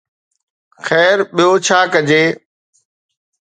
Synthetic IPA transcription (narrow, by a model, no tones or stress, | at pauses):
xɛːɾɓɪjoːt͡ʃʰaːkəd͡ʑeː